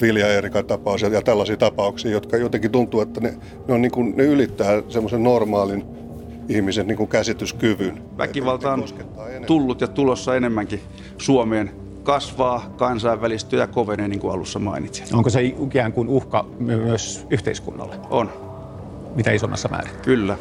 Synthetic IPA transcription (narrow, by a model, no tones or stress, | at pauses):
ʋiljɑerikɑt̪ɑpɑusijɑjɑt̪ælːɑsiːt̪ɑpɑuksiːjot̪kɑjot̪ekit̪unt̪uːet̪ːæne | neoniːŋkunneylit̪ːæːsemːosennormɑːlin | ihmisenniːŋkukæsit̪yskyʋyn | ʋæ̰kiʋɑlt̪ɑonset̪ːɑːenulːut̪jɑt̪ulosːɑenemːæŋki | suomeːn | kɑsʋɑːkɑnsɑiʋːælist̪øjɑkoʋeneːniːŋkuɑ̰lṵsːɑmɑ̰init̪si̥oŋkoseiikæːŋkunuhkɑmyømyøsyht̪eiskṵnːɑ̰lːeʔon | mit̪æisomːɑ̰sːɑmʔæ̰ːrikylːæ